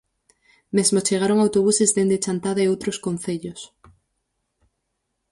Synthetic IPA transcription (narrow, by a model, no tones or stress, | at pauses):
mezmot͡ʃeɣ̞aɾoŋawt̪oβ̞usezðend̪et͡ʃant̪aðaeowt̪ɾoskon̟θeʎos